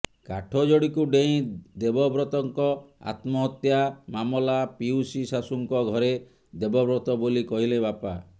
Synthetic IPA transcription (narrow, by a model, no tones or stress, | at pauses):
kaʈʰɔd͡ʒɔɽikuɖeĩd̪ebɔbɾɔt̪ɔŋkɔa̰t̪mɔɦɔt̪jamamɔlapiusisasuŋkɔɡʱɔɾe | d̪ebɔbɾɔt̪ɔbolikɔɦilebapa